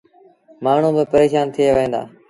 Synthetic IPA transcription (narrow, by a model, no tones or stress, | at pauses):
maːɳ̤ũːbɪpəɾeːʃaːnt̪ʰɪjeːʋẽːnd̪a̰ː